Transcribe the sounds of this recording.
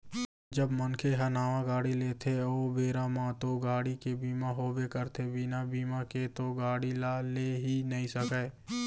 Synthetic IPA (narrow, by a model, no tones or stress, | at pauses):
d͡ʒəbmənkʰeɦənaːʋãɡaːɽileːt̪ʰeoːbeːɾamãt̪oɡaːɽikebiːmaɦoːbekəɾt̪ʰebinabiːmaket̪oɡaːɽilaːleɦinəɦĩsəkɛː